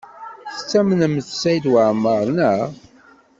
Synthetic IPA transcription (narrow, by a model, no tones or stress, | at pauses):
θə̥t͡sːæmənəməθsæjd̪wəʕməɾˤnæ